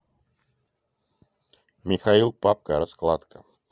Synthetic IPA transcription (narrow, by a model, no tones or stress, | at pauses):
mʲɪxailˠpap̚kəɾɐsklˠat̪kə